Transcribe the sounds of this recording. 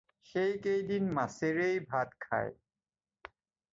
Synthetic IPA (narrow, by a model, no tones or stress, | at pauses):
xejkejdinmaseɾejbʱat̪̚kʰa̰j